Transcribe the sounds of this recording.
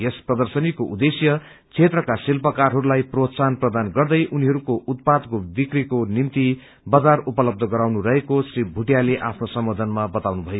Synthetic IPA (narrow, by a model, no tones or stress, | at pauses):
jesprʌd̪ʌrsʌnikoʔud̪esjʌ | t͡sʰet̪rʌkasilpʌkarɦʌɾulajprot̪sanprʌd̪anɡʌrd̪ʌjʔuniɦʌɾukoʔut̪̚pad̪kobikrikonimt̪i | bʌd͡zarupʌlʌb̚d̪ʱʌɡʌɾawnurʌɦekosribʱuʈijaleʔapʰnosʌmwʌd̪ʱʌnmabʌt̪awnubʱʌjo